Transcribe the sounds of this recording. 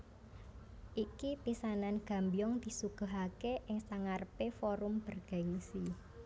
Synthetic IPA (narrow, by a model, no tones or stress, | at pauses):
ʔikipisananɡ̥a̤mbijɔŋd̪̥i̤suɡ̥ə̤ɦakeʔɪŋsaŋarəpefoɾʊmb̥ə̤rɡ̥aɪŋsi